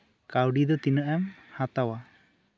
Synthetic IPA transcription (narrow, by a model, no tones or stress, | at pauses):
kawɖid̪ɔt̪inəʔɛmhat̪awa